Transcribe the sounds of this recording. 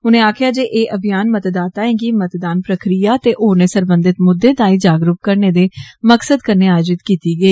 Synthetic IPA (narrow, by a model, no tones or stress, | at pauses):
ʊnẽːaːkʰjaːd͡ʒeːʔeːʔəbijaːnmət̪d̪aːt̪aːẽːɡiːmət̪d̪aːnpɾəkɾijaːt̪eːʔoːnẽːsəɾbə̃nd̪ɪt̪mʊd̪ːeːd̪ãːĩːd͡ʒaːɡɾʊp̚kəɾneːd̪eːməksəd̪kəɾneːaːjod͡ʒɪt̪kiːt̪iːɡəiː